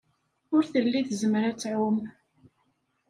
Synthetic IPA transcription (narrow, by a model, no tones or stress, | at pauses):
ʊɾθəlːiθzəmɾæt͡sːʕʊm